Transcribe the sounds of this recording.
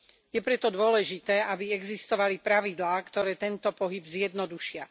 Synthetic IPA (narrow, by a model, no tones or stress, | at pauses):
jɛpɾɛt̪ɔd̪ʊɔlɛʒit̪ɛːabiɛɡzist̪ɔʋalipɾaʋid̪laːkt̪ɔɾɛːt̪ɛnt̪ɔpɔɦibzjɛd̪nɔd̪uʃɪa